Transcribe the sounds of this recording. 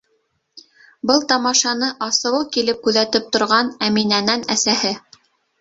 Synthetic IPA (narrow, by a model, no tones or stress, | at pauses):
bɤlˠt̪ɑmɑʃɑnɤʔɑsɤ̆wɤkilɘp̚kʉðæt̪ɘp̚t̪ŏɾʁɑnæminænænæsæhɘ